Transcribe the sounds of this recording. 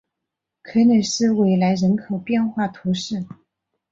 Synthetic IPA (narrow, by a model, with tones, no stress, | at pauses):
kʰɤ˧˥nə˨˩ʂɻ̩˥˧we˧˥˩ɪla˧˥ɪɻə˧˥nkʰo˨˩ʊpjɛ˥˧nxwa˥˩t̪ʰu˧˥ʂɻ̩˥˩